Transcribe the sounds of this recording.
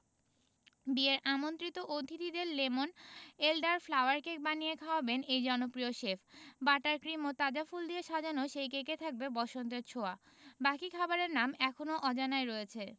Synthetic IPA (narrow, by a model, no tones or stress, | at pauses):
bieɾamont̪ɾit̪oʔod̪ʱid̪id̪eɾlemonelɖaɾflawaɾkek̚banijekʰaobenejd͡ʑɔnopɾioʃefʰbaʈaɾkɾimot̪ad͡ʑafuld̪ieʃad͡ʑʱanoʃejkeket̪ʰak̚bebɔʃont̪eɾt͡ɕʰoa | bakikʰabaɾeɾnamɛkʰonoʔɔd͡ʑanaeɾɔet͡ɕʰe